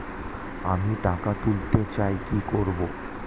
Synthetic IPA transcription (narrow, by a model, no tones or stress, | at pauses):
a̰miʈakat̪ult̪et͡ɕaekikoɾbo